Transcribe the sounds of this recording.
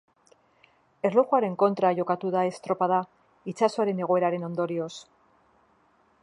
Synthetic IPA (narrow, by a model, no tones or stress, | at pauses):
e̞rloxuaɾe̞ŋko̞nt̪ɾaʝo̞kat̪uðae̞st̪ɾo̞pað̞a | it͡ʃasoaɾe̞ne̞ɣ̞oe̞ɾaɾe̞no̞nd̪o̞ɾio̞s